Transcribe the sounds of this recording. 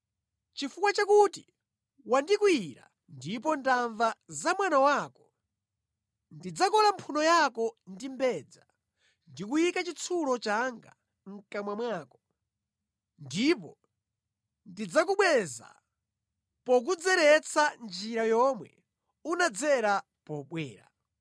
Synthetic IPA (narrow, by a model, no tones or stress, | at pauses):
t͡ʃifukwat͡ʃakuti | wandikwiɾa̰ | ndipɔndaɱvazamwanawaːkɔ̥ | ndid͡zakɔlampʰunɔjakɔndimbɛːd͡za | ndikujikat͡ʃit͡sʰulɔt͡ʃaŋɡa | ŋ̩kamwamwaːkɔ̥ | ndipɔ | ndid͡zakuɓwɛza̰ | pɔk̬ud͡zɛɾɛt͡sʰand͡ʒiɾajɔmwɛ̰ | unad͡zɛɾa | pɔɓwɛːɾa̰